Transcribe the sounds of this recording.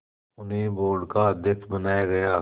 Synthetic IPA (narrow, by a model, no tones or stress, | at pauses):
ʊnɦẽboːɖkad̪ɪkbənaːjaɡɐjaː